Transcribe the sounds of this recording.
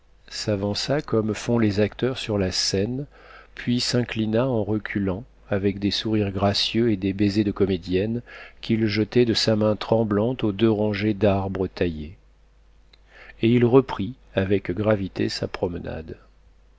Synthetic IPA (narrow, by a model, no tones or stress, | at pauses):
savɑ̃sakɔmfɔ̃lezakt̪œʁsyʁlasɛn | pʰɥisɛ̃klinaɑ̃ʁəkʲʰylɑ̃ | avɛkd̪esuʁiʁɡʁasjøed̪ebezed̪əkɔmed̪jɛnkʲʰilʒət̪ɛd̪əsamɛ̃t̪χɑ̃blɑ̃t̪od̪øʁɑ̃ʒed̪aʁbʁət̪aje | eilʁəpχi | avɛkɡʁavit̪ʰesa̰pχɔmna̰d̪